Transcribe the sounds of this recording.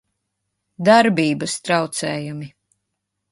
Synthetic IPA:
d̪aɾbiːbɐst̪ɾawt̪sɛːjumi

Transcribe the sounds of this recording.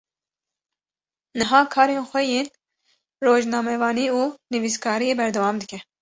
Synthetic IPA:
nɨɦɑːkʰɑːɾeːnxʷɛjeːn | roːʒnɑːmɛvɑːniːuːnɨviskʰɑːɾijeːbɛɾd̪ɛwɑːmd̪ɨkʰɛ

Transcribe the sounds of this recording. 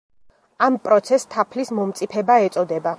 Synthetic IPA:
ampʼɾɔt̪sʰɛst̪ʰːapʰlismɔmt̪sʼipʰɛbaɛt̪sʼɔd̪ɛba

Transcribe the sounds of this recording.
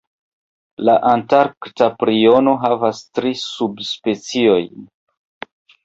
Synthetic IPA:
laʔantaɾktapɾio̞no̞ɦavastɾisubspe̞t͡sio̞j

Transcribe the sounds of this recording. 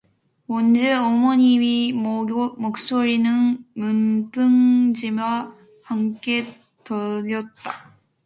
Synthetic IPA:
ʌnd͡ʑeʌmoɲiwi | mok̚s͈oɾinɯnmɯmpʰɯŋd͡ʑimwa | hamk͈e̞ | tʌʎːʌt̚t͈a

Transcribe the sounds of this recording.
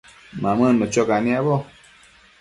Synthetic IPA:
mamɨnmət͡ʃɔkaniabɔ

